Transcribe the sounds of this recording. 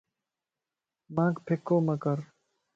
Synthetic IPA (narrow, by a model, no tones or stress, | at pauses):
mãːkpʰekːoːmɐkɐɾ